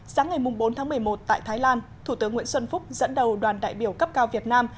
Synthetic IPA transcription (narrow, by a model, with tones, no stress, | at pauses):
saː˨˦ŋa˨˩jmʊ˨˩ŋ͡mɓo˨˦nt̪ʰaː˨˦mɨ˨˩əjmo˨˩t̚t̪a̰ː˧˨jt̪ʰaː˨˦jlaː˧nt̪ʰu˧˩t̪ɨ˨˦əŋːw̰ənswə˧nfʊ˦˥k͡p̚zə̰˧˥nɗə˨˩wɗwaː˨˩nɗa̰ː˧˨jɓi˧˩əwkə˦˥p̚kaː˧wvi˨˩ət̚naː˧m